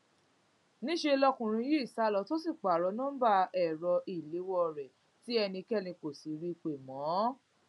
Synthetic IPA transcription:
nĩ˦ʃe˧lɔ˧kũ˨ɾ̃ĩ˧ji˦i˦˨sa˨˦lɔ˧˦to˦si˦˨k͡pa˨ɾɔ˨˦nũ˦ba˦ɛ˨ɾɔ˧ʔi˨le˨˦wɔ˦˧˨ɾɛ˨ | ti˦ɛ˧nĩ˧kɛ˦˨nĩ˧ko˨si˨˦ɾi˧k͡pe˨mɔ̃˨˦

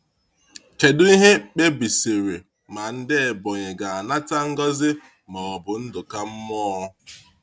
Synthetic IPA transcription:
t͡ʃe˨dʊ˦i˦ɦe˦k͡pe˦bi˨se˨ɾe˨ | ma˨n̩˦dɪ˦e˨bɔ˨ɲe˨ɡa˨a˨na˦ta˦ŋ̩˦ɡɔ˦zɪ˦ | mɔ˨ɔ˨bʊ˨n̩˦dʊ˨ka˦m̩˦mɔ˦

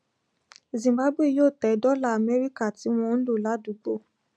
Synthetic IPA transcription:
zĩ˨mba˦bwe˦˨joː˦˨tɛ˨˦dɔ˦la˦˨a˨mɛ˦ɾi˦ka˦˨ti˨˦w̃ɔ̃˧n̩˦lo˦˨la˨˦du˨˦ɡ͡bo˦˨

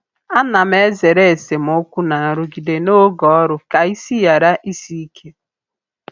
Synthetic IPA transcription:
a˦na˨me˦ze˨ɾe˦e˨se˨m˨o˦kʷu˦na˨ɾʊ˦ɡi˨de˨no˦ɡɔ˦ɔ˦ɾʊ˨ka˨i˦si˦ja˨ɾa˦ʔi˦si˦kʰe˦

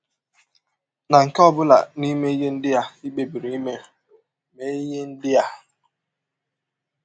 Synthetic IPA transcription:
na˨ŋ̩˨kɔ˦bʊ˦la̰˨ni˦me˦i˦ɡe˦n̩˦dɪ˦a˨i˦be˨bi˨ɾi˨i˦me˦˨ | me˦i˦je˦n̩˦dɪ˦a˨

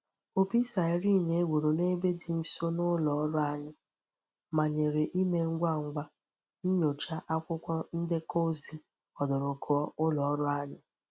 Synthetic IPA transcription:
o˨pi˦sa˨ɪ˨˦ɾi˦˨ne˨e˦ɡʷu˨ɾo˨ne˦be˦dɪ˨n̩˨so˦nʊ˦lɔ˨ɔ˦ɾʊ˦a˦ɲɪ˦ | ma˨ɲe˨ɾe˨ʔi˦me˦ŋ̩˦ɡʷa˦˨ŋ̩˨ɡ͡bʷa˦ | n̩˦ɲo˨t͡ʃa˦ʔa˦kʷʊ˦kʷɔ˦n̩˦dɪ˦ko˦zi˨ | ɔ˨dʊ˨ɾʊ˨kʰʊ˦ɔ˦ʔʊ˦lɔ˨ɔ˦ɾʊ˦a˦ɲɪ˦

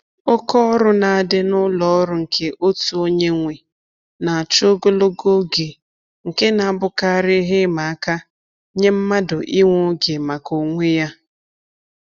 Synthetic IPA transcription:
o˦kɔ˦ɾʊ˦na˨a˨dɪ˦nʊ˦lɔ˨˦ɾʊ˦ŋ̩˨kʰe˦ʔo˦tu˨o˦ɲe˦ŋʷe˨ | na˨a˨t͡ʃo˦ɡo˦lo˦ɡo˦ɡe˨ | ŋ̩˨ke˦na˨a˦bʊ˨ka˦a˦˨ɾɪ˦ɦe˦ma˨a˦ka˦ | ɲe˦m̩˦ma˦dʊ˨ʔi˦ŋʷo˦ɡe˨ma˨ko˨ŋʷe˦ja˦

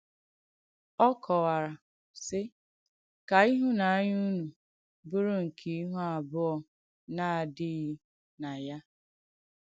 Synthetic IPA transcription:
ɔ˦kʰɔ˨wa˨ɾa˨ | sɪ˦ | ka˨i˦ɦu˦na˨a˦ɲu˦nu˨ | bʊ˦ɾʊ˦ŋ̩˨kʰi˨˦i˦ɦu˦a˨bʊ˦ɔ˨ | na˦a˨dɪ˦ɣi˦ | na˨ja˦

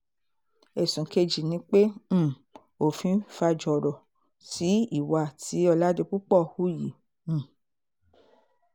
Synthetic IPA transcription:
e˨sũ˨ke˧d͡ʒi˨nĩ˨˦k͡pẽ˦˨ | o˨fĩ˧˦fa˧d͡ʒɔ˨ɾɔ˨ | si˨˦i˦˨wa˧˨tʰi˨˦ɔ˧la˦de˧k͡pu˦k͡pɔ˦˨hu˦jĩ˨˦˨

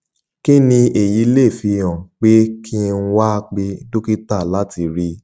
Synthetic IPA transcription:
ki˦nĩ˧e˨ji˧˦le˦˨fi˧ã˨k͡pe˦kʰi˦n̩˦wa˦˧k͡pe˧do˦ki˦ta˦˨la˦ti˧ɾi˧

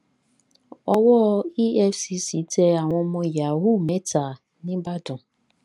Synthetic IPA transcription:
ɔ˦wɔ˦i˦ɛ˦fsi˨si˨˦tʰɛ˦a˨w̃ɔ̃˧mɔ̃˦ja˨ɦu˦˨mɛ̃˦tʰa˨ | nɪ̃˦ba˦dʊ̃˨

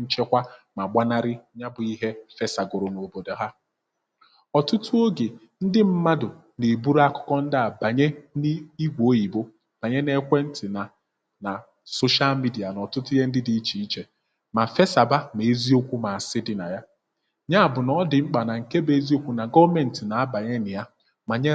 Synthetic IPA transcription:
n̩˦t͡ʃe˦kʷa˦ma˨ɡ͡ba˦na˦ɾɪ˦ɲa˦bʊ˨i˦ɦe˦fe˦sa˨ɡʊ˨ɾʊ˨no˨bo˨do˨ɦa˦ | ɔ˨tʊ˦tʊ˦o˦ɡe˨ | n̩˦dɪ˦m̩˦ma˦dʊ˨ | ne˨bu˦ɾa˦kʊ̥˦kɔ˦n̩˦dɪ˦a˨ba˨ɲe˦ni˦i˦ɡʷo˦i˨bo˦ | b̥a˨ɲe˦ne˦kʷe˦n̩˦tɪ˨na˨ | na˨ | so˦ʃa˦lmi˦di˨a˨nɔ˨tʊ˦tʊ˦je˦n̩˦dɪ˦di˨˦t͡ʃi˨i˦t͡ʃe˨ | ma˨fe˦sa˨ba˦me˨e˦zi˦o˦kʷu˦ma˨a˨sɪ˦dɪ˨na˨ja˦ | ɲa˦a˨bʊ˨nɔ˦dɪ˨ŋ͡m̩˦k͡pa˨na˨ŋ̩˨ke˦be˨˦zi˦o˦kʷu˨na˨ɡɔ˦me˨n̩˨tɪ˨na˨a˦ba˨ɲe˦nɪ˨ja˦ | ma˨ɲe˦

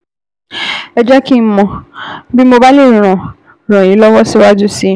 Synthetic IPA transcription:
ɛ˨d͡ʒa˦ki˦m̩˦mɔ̃˨bi˦mo˧ba˦le˦˨ɾ̃ɔ̃˨ | ɾ̃ã˨ĩ˨˦lɔ˦wɔ˦si˦wa˦d͡ʒu˦si˦

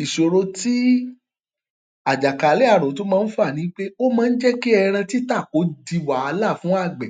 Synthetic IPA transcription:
i˨ʃo˨ɾo˧ti˦ | a˨d͡ʒa˨ka˨˦le˨˦a˦˨ɾ̃õ˨to˨˦mãː˦˧˦n̩˦fa˦˨nĩ˨˦k͡pe˦o˦mãː˧˦n̩˦d͡ʒɛ˦ki˦ɛ˧ɾ̃ã˧ti˦ta˦˨ko˨˦di˧wa˨˧la˦˨fũ˨˦a˦˨ɡ͡bɛ˨

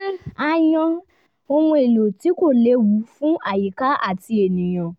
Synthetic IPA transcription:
a˦˨jɔ̃˧ | o˧wɔ̃˧e˨lo˨ti˨˦ko˦˨le˨˦wu˨˦fũ˦ʔa˦˨ji˨ka˨˦ʔa̰˦˨ti˧e˨nĩ˨j̃ɔ̃˨

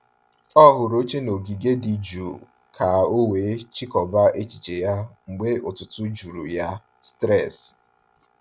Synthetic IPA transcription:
ɔ˦ɦʊ˨ɾo˦t͡ʃe˦no˨ɡi˨ɡe˦di˨d͡ʒu˨ | kʰa˨o˦we˨˦t͡ʃi˦kɔ˨ba˦ʔe˦t͡ʃi˨t͡ʃe˨ja˦ŋ͡m̩˨ɡ͡be˦ʊ˨tʊ˨tʊ˦d͡ʒu˨ɾu˨ja˦ | stɾɛ˦˨s

